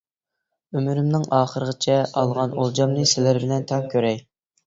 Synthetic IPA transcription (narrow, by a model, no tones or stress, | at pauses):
ymyɾymnɪŋɑːχəɾəʁət͡ʃʰɛɑlˠʁɑnolˠd͡ʒɑmnɨsɪlæɾbɪlɛnt̪ʰɛŋkʲʰøɾɛj